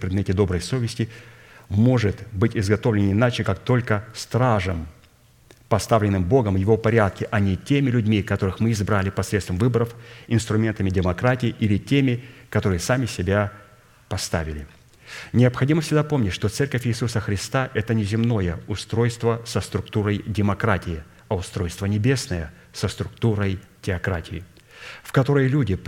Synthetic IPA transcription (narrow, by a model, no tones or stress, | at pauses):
pɾʲɪd̪mʲetʲɪd̪o̞bɾəjso̞vʲɪsʲtʲɪ | mo̞ʐɨt̪bɨtʲɪzɡɐt̪o̞vlʲɪnɪnat͡ɕɪkak̚t̪o̞lʲkəst̪ɾaʐəm | pɐst̪avlʲɪnːɨmbo̞ɡəmjɪvo̞pɐɾʲat̪̚kʲɪʔɐnʲɪtʲemʲɪlʲʉdʲmʲikɐt̪o̞ɾɨxmɨɪzbɾalʲɪpɐsɾʲet̪st̪vəmvɨbəɾəfɪnst̪ɾʊmʲe̞nt̪əmʲɪdʲɪmɐkɾatʲɪːʔilʲɪtʲemʲɪkɐt̪o̞ɾɨjəsamʲɪsʲɪbʲa | pɐst̪a̰vʲɪlʲɪ | nʲɪəpxɐdʲiməfsʲɪɡd̪apo̞mnʲɪtʲʂt̪o̞t̪sɛrkəfʲɪːsusəxɾʲɪst̪aʔɛt̪ənʲɪzʲɪmno̞jəʊst̪ɾo̞jst̪vəsəst̪ɾʊkt̪uɾəjdʲɪmɐkɾatʲɪjɪ | ɐʊst̪ɾo̞jst̪vənʲɪbʲe̞snəjə | səst̪ɾʊkt̪uɾəjtʲɪɐkɾatʲɪjɪ | fkɐt̪o̞ɾəjlʲudʲɪ